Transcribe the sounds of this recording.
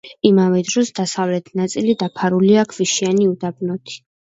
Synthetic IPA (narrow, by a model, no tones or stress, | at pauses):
imavɛd̪ɾɔsd̪asavlɛt̪ʰnat̪sʼilid̪apʰaɾuliakʰviʃianiud̪abnɔt̪ʰi̥